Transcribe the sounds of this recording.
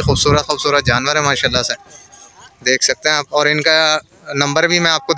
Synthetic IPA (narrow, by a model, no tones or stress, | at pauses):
xuːbsuːɾət̪xuːbsuːɾət̪̚d͡ʒaːnʋəɾɦɛmaːʃaːlːase | d̪eːkʰsɐk̚t̪eɦɛ̃aːpɔːɾɪnka | nɐ̃mbəɾbʱimɛ̃aːp̚kod̪